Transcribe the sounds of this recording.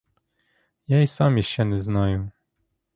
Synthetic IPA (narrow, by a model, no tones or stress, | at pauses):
jɛjsamʲiɕɛnɛznajɔm